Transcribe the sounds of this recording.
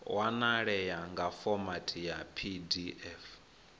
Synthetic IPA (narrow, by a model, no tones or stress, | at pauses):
wanaɺɛjaŋɡafɔmatʰijapʰidiʔɛf